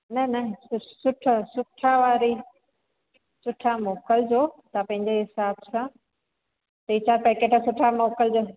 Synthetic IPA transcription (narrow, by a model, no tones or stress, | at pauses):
nɐnɐsɪsʊʈʰəsʊʈʰːaʋaːɾi | sʊʈʰamoːkəld͡ʑoːt̪ɐpɐ̃ɦɪ̃ɲd͡ʑeɦɪsaːbsã | t̪ɐiːt͡ɕʰaːɾpekeːʈʰasʊʈʰamoːkəld͡ʑoː